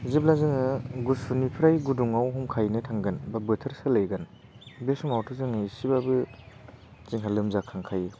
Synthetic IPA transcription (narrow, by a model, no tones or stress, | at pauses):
zib̚lazɯŋɯɡusunipʰɾajɡuduŋawɦɔmkʰajnɯtʰaŋɡɯnbabɯtʰɐɾsɯlɯjɡɐn | besumawtʰɯzɯŋɯisibabɯ | t͡ʃiŋɦalɯmzakʰaŋkʰaj